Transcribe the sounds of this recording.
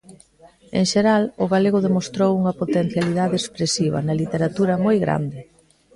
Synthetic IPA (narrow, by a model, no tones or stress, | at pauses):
ḛŋʃeɾalʊɣaleɣʊðemost̪ɾowuŋɐpot̪en̟θjaliðaðeːspɾesiβ̞ɐ̰nɐlit̪eɾat̪uɾɐmojɣɾa̰nd̪ɪ